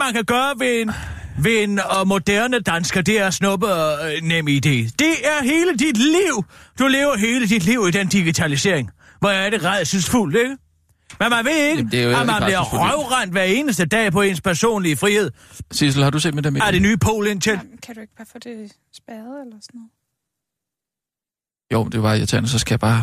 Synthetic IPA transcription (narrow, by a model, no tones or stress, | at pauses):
mænkʰæɡ̥ɶːɐʋen | ʋe̝enɒ̽mo̝d̥æɐnəd̥ænsɡ̥ɐd̥e̝æɐsnɔ̽b̥ənem̰id̥e̝̰ːd̥e̝æɐɦe̝ːləd̥id̥liʊ̰d̥ule̝ːʊɐɦe̝ːləd̥id̥liʊ̰id̥end̥iɡ̥it͡sʰælise̝̰ɐ̰eŋ | ʋɒjaɐ̥e̝ʁað̰ˠsynsful̰d̥e̝ɡ̥ə | menmænʋe̝eɡəd̥eɐjomænliɐʁœʊʁan̰d̥ʋæɐe̝ːnəs̬d̥əd̥ɛ̰ːpʰɒ̽e̝nspʰæɐso̝̰ːnliəfʁihe̝ð̰ˠ | sisl̩hɑd̥usḛːd̥med̥emæɐd̥enyːpʰo̝̰ːlent͡sʰenkʰæd̥ueɡ̥̚b̥ɑːfɔd̥e | sb̥æð̩ˠelɐsɔnɔð̩ˠ | jo̰ʊmnd̥e̝b̥ɑ̈jat͡sʰɛnəsɒ̽sɡ̥æjɑb̥ɑ̈ː